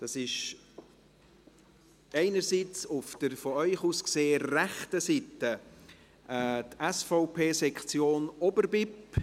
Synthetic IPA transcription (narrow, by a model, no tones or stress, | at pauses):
d̥ɑsɪʃ | ɛɪnərsit͡sʊfd̥əɾfɔœʏχuːskseːəræχtəsitə | ʔɛːtɛsfɔʊpʰeːsɛkχt͡sjoːnɔbəɾbɪp